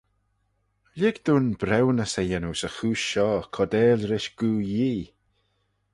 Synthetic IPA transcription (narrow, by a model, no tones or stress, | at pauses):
lɪɡd̪̥uːnbɾɛwnəsejɛnusəxuːʃɔːkʰɔd̪ɛːlɾɪʃɡ̥uːjiː